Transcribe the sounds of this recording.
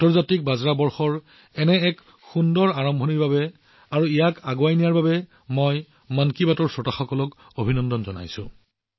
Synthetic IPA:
tɔɹzatik̚bazɹabɔɹxɔɹ | ɛnɛɛk | xundɔɹaɹɔmbʱɔniɹbabɛ | aɹuijakaɡoajnijaɹbabɛ | mɔj | mankibatɔɹsɔtaxɔkɔlɔk | obʱinɔndɔnzɔna̰jsʊ̰̃

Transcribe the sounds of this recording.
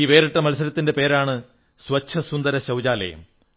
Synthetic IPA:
iːʋe̞ːɾiʈːɐmɐlsɐɾɐt̪ːindepe̞ːɾaːɳɨ | swɐt͡ɕʰːɐsund̪ɐɾɐɕɐwd͡ʑaːlɐ̰jɐ̰m

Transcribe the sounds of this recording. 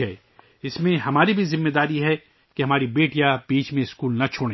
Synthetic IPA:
ɦɛ | ɪsmẽɦɐmaːɾibʱizɪmːeːd̪aːɾiɦɛ | keɦɐmaːɾibeːʈjab̥iːt͡ʃmẽskuːlnɐt͡ʃʰoːɽẽ

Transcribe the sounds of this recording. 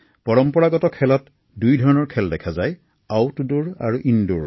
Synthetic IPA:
pɔɹɔmpɔɹaɡɔtɔkʰɛlɔt | dujdʱɔɹɔnɔɹkʰɛldɛkʰazaj | awtuduɹa̰ɹuʔinduɹ

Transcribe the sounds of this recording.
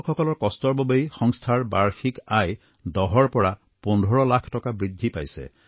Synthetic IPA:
kxɔkɔlɔɹkɔstɔɹbɔbejxɔŋstʰaɹba̰ɹxikaj | dɔɦɔɹpɔɹa | pɔndʱɔɹɔlakʰtɔkabɹid̪ʱːipa̰jsɛ̰

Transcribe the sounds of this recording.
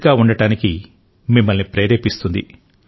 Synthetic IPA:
ɡaːuɳɖɐʈaːniki | mimːɐlnipɾeːɾeːpist̪und̪ḭ

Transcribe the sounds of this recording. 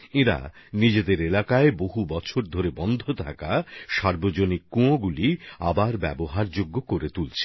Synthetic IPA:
eɾa̰ | nid͡ʑed̪eɾelakaeboɦubɔt͡ɕʰoɾd̪ʱoɾebɔnd̪ʱot̪ʰakaʃaɾbod͡ʑonikːũoɡulia̰baɾbɛ̰boɦaɾd͡ʑoɡːokoɾet̪ult͡ɕʰe

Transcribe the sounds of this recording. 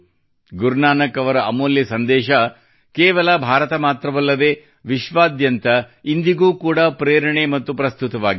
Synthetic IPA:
ɡuɾnaːnɐkɐʋɐɾɐɐmoːljɐsɐnd̪ɛːʃɐ | kɛːʋɐlɐbʱaːɾɐt̪ɐmaːt̪ɾɐʋɐlːɐd̪eː | ʋiʃʋaːd̪jɐnt̪ɐind̪iɡuːkuːɽapɾeːɾɐɳemɐt̪ːupɾɐst̪ut̪ɐʋaːɡi

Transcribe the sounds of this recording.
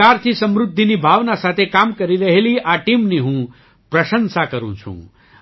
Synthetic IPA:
aɾt̪ʰisəmɾud̪ʱːinibʱaʋnasat̪ʰekamkəɾiɾəɦeliʔaʈimneɦũ | pɾɐʃənsakəɾṵ̃t͡ʃʰṵ̃

